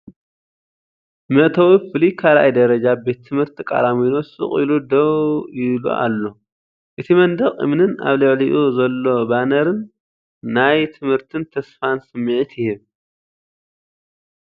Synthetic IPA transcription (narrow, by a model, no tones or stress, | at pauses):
mɐʔt̪ʰɐwifɨlikʰalʔa̰jd̪ɐɾɐd͡ʒabe̞t̪ʰːɨmhɨɾt̪ʰikʼa̰laminosɨ̰χʼḭlud̪ɐwjɪβlṵʔa̰lːo̞ | ʔɨt̪ʰimɐnd̪ɐχʼɨ̰mnɨna̰βlɨʕliʔuzɐlːo̞banɐɾɨnː | ajt̪ʰɨmhɨɾt̪ʰɨnt̪ʰɐsfansɨmːɨʕɨt̪jɪhiβ